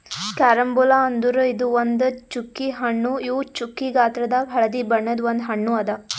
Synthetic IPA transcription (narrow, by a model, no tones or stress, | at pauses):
kaːɾɐmbulaɐnd̪uɾɐid̪uʋond̪t͡ʃukːiɦɐɳːuiːt͡ʃukːiɡaːt̪ɾɐd̪ɐbʱɐɭɐd̪iːbɐɳːɐd̪ʋond̪ɦɐɳːuɐd̪ɐ